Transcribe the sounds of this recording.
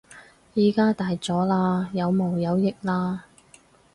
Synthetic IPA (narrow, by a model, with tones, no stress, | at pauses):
jiː˨˩kaː˥t̪aː˨jt͡sɔː˨˥laː˧jɐ˨˧wmo˨˩wjɐ˨˧wjɪ˨k̚laː˧